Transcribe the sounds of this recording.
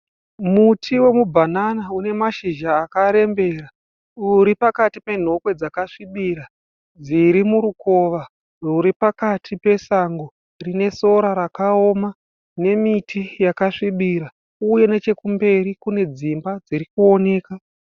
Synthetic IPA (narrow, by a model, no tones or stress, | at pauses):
mutʰiwe̞mubʱananaune̞maʃiʒaːkaɾe̞mbe̞ːra | uɾipakatipe̞n̤o̞kwe̞d͡zakaʂiɓiɾa | d͡ziɾimuɾuko̞ʋa | ruɾipakatʰipe̞saŋɡo | rine̞so̞ɾaɾakao̞ma | ne̞mitʰijakaʂiɓiɾa | uje̞ne̞t͡ʃe̞kumbe̞ɾikune̞d͡zimbad͡ziɾikuo̞ne̞ːka